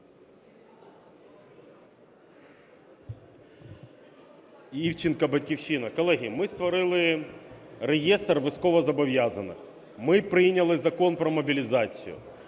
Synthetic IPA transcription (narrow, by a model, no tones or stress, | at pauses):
ift͡ɕɪnkɐbɐtʲkʲɪfɕːinɐkɐlˠɛɦʲimɨst̪vɐɾɨlˠɪ | ɾʲɪjest̪rvɨskovɐzɐbɐvʲjazə̰nːɨ̰x | mɨpɾʲinʲɐlˠɨzɐko̞npɾɐmɐbʲɪlʲɪzat̪sɨjʊ̰